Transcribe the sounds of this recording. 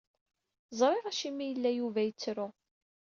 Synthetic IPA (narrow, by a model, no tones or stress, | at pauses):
zˤɾˤɪʁæʃimːijəlːæjuvæjət͡sːɾʊ